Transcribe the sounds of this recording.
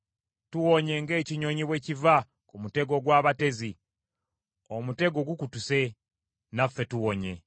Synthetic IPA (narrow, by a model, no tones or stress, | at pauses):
tuwoɲe̞ŋɡe̞ːciɲo̞ɲiβweːciva | kumute̞ɡo̞ɡwaːβate̞zi | omute̞ɡo̞ɡukutuse̞ | nafːe̞tuwoɲe̞